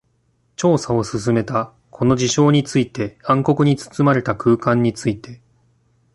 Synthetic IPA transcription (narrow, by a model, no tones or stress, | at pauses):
t͡ɕo̞ːsao̞sɨs̬ɨme̞t̪a | kʰo̞no̞ʑiɕo̞ːɲ̟it͡sɨit̪e̞ãŋko̞kɯ̟ɲ̟it͡sɨ̥t͡sɨmaɾe̞t̪akɯ̟ːkãɲ̟ːit͡sɨit̪e̞